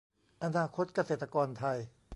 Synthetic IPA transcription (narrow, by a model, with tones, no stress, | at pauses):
ʔa˧naː˧kʰo˦˥t̪̚ka˧seː˨˩t̪ːa˧kɔː˧nt̪ʰa˧j